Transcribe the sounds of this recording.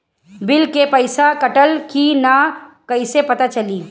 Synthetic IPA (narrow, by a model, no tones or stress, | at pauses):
bɪlkepɐɪsakɐʈəlkinakɐɪsepɐt̪at͡ʃɐliː